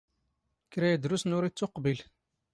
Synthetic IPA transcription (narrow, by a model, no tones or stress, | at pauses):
kɾæjæd̪ɾusnʊɾit͡sːʊqbil